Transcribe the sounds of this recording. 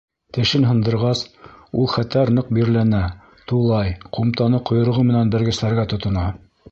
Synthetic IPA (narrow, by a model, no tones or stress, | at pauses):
t̪ɘ̆ʃɘnɦɤ̆nd̪ɤ̆ɾʁɑsulˠχæt̪æɾnɤq̚biɾlænæ | t̪ulˠɑjqumt̪ɑnɤqŏjŏɾ̆ʁɤmɘ̆nænbɘ̆ɾɡɘ̆slæɾɡæt̪ŏt̪ŏnɑ